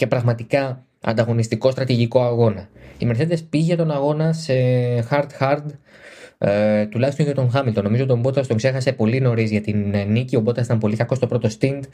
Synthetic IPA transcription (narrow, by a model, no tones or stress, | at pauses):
ce̞pɾɐɣmɐt̪ikɐ | ɐ̰nd̪ɐɣo̞nist̪iko̞st̪ɾɐt̪iʝiko̞ɐɣo̞nɐime̞ɾse̞ðespiʝet̪o̞nɐɣo̞nɐsexɐɾd̪xɐɾd̪ | t̪ulɐçist̪onʝɐt̪oŋxɐmilt̪o̞no̞mizo̞t̪ombo̞t̪ɐst̪o̞ŋkse̞xɐse̞po̞lino̞ɾizʝɐt̪innicio̞bo̞t̪ɐsi̥t̪ɐmpo̞likɐko̞st̪o̞pɾo̞t̪o̞st̪ind̪